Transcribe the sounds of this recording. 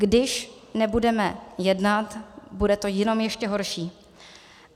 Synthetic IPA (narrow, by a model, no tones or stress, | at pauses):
ɡdɪʃ | nɛbudɛmɛjɛdnat̪budɛt̪ojɛno̞mjɛʃcɛɦo̞ɾʃiː